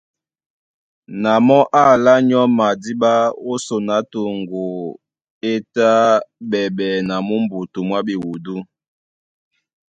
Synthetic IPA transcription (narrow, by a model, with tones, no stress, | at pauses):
na˨mɔ˦ʔa˦˨la˦ɲɔ˦ma˨di˦ɓa˦o˦so˨na˨˦to˨ŋɡo˨ | e˦ta˦ɓɛ˨ɓɛ˨na˨mu˦m˦bu˨tu˨mwa˦ɓi˨wu˨du˦